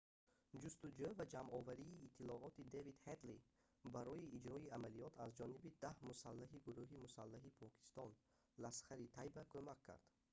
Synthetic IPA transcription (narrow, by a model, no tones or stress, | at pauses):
d͡ʒust̪ud͡ʒøvad͡ʒamɔvaɾiːt̪ʰːilɔɔt̪id̪evid̪het̪li | baɾɔiːd͡ʒɾɔiamalijɔt̪ʰazd͡ʒɔnibid̪ahmusalːaɦiɡuɾuɦimusalːaɦipʰɔkʰi̥st̪ɔn | lasχaɾit̪ʰajbakʰømakʰːa̰ɾd̪̥